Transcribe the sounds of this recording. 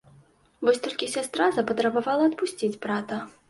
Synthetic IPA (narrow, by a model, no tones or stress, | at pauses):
vɔsʲt̪ɔlʲkʲisʲast̪ɾazɐpɐt̪ɾɐbavalˠɐɐt̪̚pusʲt͡sʲit͡sʲbɾat̪ɐ